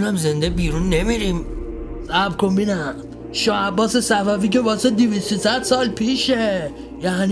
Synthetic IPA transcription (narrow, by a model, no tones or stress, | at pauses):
næmzend̪ebiːɾunːemiɾim | sæbkombinæ | ʃɒːæbːɒːsesæfæfiːcevɒːsed̪ivist̪osæd̪sɒːlpʰiːʃe | jæːn